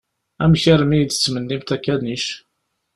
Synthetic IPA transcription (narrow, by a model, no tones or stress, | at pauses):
æmçəɾmijd̪ə̥t͡sːmənːimt̪ækːæniʃ